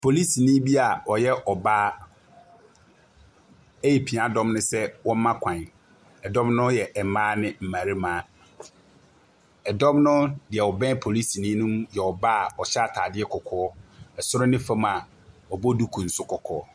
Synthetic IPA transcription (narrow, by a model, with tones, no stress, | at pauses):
pʰo˨li˦si˨nĩ˦bi˦a˨ɔ˨jɛ˦ʔɔ˨baː˦ | ɛ˦je˨pʰĩ˨a˨dɔ̃˦mnʊ̃˦sɛ˦wɔ̃˦m˦mã˦kʷʰã˨ | ɛ˨dɔ̃˦mnʊ̃˦jɛ˨ʔɛ˨mãː˦nɪ̃˦m̩˨mã˨ɾi˦mãː˦ | ɛ˨dɔ̃˦mnʊ̃˦dɪ˨ɛ˨ɔ˨bɛ̃˦pʰo˨li˦si˨nĩ˦nũ˦mjɛ˨ɔ˨ba˦˨ɔ˨ɕɛ˦a˨tʰaː˨dɪ˦ɛ˦kʰɔ˨kʰɔː˦ɛ˨sʊ˦ɾʊ˦nɪ̃˦fã˦ma˨ | ɔ˨bɔ˦du˦kʰũ˨n̩˨sʊ˦kʰɔ˨kʰɔ̰ː˦˨˦